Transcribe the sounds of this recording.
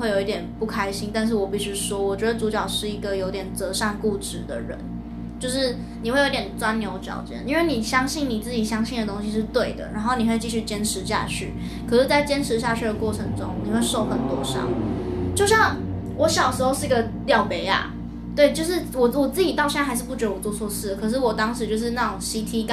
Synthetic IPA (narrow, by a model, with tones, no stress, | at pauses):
we˥ɪjo˨˩i˥˩t̪jɛ˨˩npu˥˩kʰa˥ɪɕi˥ŋt̪a˥˧nʂ̬ɻ̩˥˩wɔ˨˩pi˨˩ɕy˧˥ʂwɔ˥wɔ˨˩t͡ɕɥɛ˧˥d̪ə˧t͡su˧˥t͡ɕjɑ˨˩ʊʂɻ̩˥˩i˧˥ɡə˨jo˧˥ʊt̪jɛ˨˩nt͡sɤ˧˥ʂa˥˧nku˥˩ʈ͡ʂɻ̩˥˩d̪ə̰˨˩ɻə̰˧˦n | t͡ɕjo˥˧ʊʂɻ̩˥˩ | ni˨˩xwe˥˩jo˧˥tjʲɛ˨˩nt͡swa˥nnjo˧˥ʊt͡ɕjɑ̰˨˩ʊt͡ɕjɛ̰˥˩ni˥nwe˥˩ɪni˨˩ɕjɑ˥ŋɕi˥˩nni˨˩t͡sɹ̩˥˩t͡ɕi˨˩ɕjɑ˥ŋɕi˥˩nd̪ə˩t̪o˥ŋɕi˧˥ʂɻ̩˥˧t̪we˥˩ɪd̪ə̰˩na˧˥nxo˥˩ʊni˨˩xwe˥˧ɪt͡ɕi˥˧˩ɕy˥˩t͡ɕjɛ˥nʈ͡ʂʰɻ̩˧˥ɕja̰˥˧t͡ɕʰy̰˥˩ | kʰɤ˨˩ʂɻ̩˥˧˩t͡sa˥˩ɪt͡ɕjɛ˥nʈ͡ʂʰɻ̩˧˥ɕ̬ja˥˧t͡ɕʰy˥˩d̪ə˩kwɔ˥˩ʈ͡ʂʰə˧˥ŋʈ͡ʂʊ˥ŋni˨˩xwe˥˧ɪʂo˥˩ʊxə˨˩nt̪wɔ̰˧˥ʂɑ̰˥˩ŋt͡ɕjo˥˧ʊɕjɑ˥˩ŋ | wɔ˧˥ɕjɑ˨˩ʊʂɻ̩˧˥xo˥˧ʊʂɻ̩˥˩˧ɡə˧ | ljɑ˨˩ʊpe˧˥ɪa̰˨˩ | t̪we˥˩ɪt͡ɕjo˥˧ʊʂ̬ɻ̩˥˩wɔ˨˩wɔ˨˩t͡sɹ̩˥˩t͡ɕi˨˩t̪ɑ˥˧ʊɕɛ˥˧˥ɪɻ̩˥˧pu˥˩ʈ͡ʂɻy˨˥wɔ˨˩t͡swɔ˥˧t͡sʰwɔ˥˧ʂɻ̩˥˩ə˨˩kʰɤ˨˩ʂ̬ɻ̩˥˩wɔ˨˩t̪ɑ˥ŋʂɻ̩˧˥t͡ɕjo˥˧ʊʂ̬ɻ̩˥˧na˥˩ʈ͡ʂʊ˨˩ŋɕi˥t̪ʰi˥k